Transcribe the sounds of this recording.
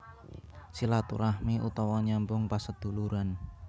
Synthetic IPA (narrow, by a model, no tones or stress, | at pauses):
silat̪ṵɾahmiʔṵt̪ɔwɔɲambʊŋpasəd̪̥ṳluɾan